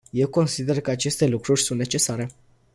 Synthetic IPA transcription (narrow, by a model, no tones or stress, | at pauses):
je̞wko̞nsid̪e̞rkəat͡ʃe̞st̪e̞lukɾurʲsunt̪ne̞t͡ʃe̞saɾe̞